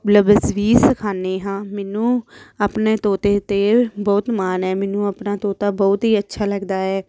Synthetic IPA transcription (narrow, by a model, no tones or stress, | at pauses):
ləbəsʋiːsəkʰaːneːɦãːmɛːnũːaːpneːt̪oːt̪eːt̪eːbɔːt̪maːnɦɛːmɛːnũːapnaːt̪oːt̪aːbɔːt̪ɦiːətːʃʰaːləɡd̪aːɛː